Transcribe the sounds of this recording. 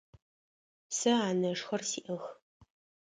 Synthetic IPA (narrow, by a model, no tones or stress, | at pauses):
sɐaːnɐʂxɐrsiːʔɐx